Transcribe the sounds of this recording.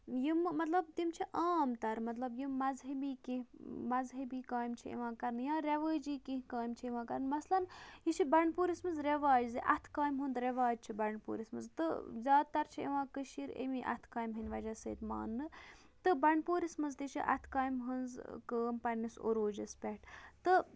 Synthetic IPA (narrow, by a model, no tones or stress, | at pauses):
jimmɐt̪lɐbt̪imt͡ʃʰiʔaːmt̪ɐɾmɐt̪lɐbjimːɐzɦɐbiːkĩɦmɐzɦɐbiːkaːjmt͡ʃʰiḛʋãːkɐɾnjãːɾʲeʋəːd͡ʒiːkĩɦkaːjmt͡ʃʰieʋãːkɐɾnmɐslɐnjiʃʰibɐɳpuːɾismɐnzɾeʋaːd͡ʒziʔɐ̰t̪ʰkaːjmɦund̪ɾeʋaːd͡ʒt͡ʃʰibɐɳɖpṵːɾismɐnzt̪ɨzʲaːd̪̚t̪ɐɾt͡ʃʰiḛʋãːkəʃiɾḛmiʔɐ̰t̪ʰkaːjmɦɐnʲʋɐd͡ʒasə̰ːt̪ma̰ːnːɨ | t̪ɨbɐɳɖpuːɾismɐnzt̪iʃʰḭʔɐ̰t̪ʰkaːjmɦɐnzkəːmpɐɾʲniso̰ɾoːd͡ʒɐspʲɐʈʰt̪ɨ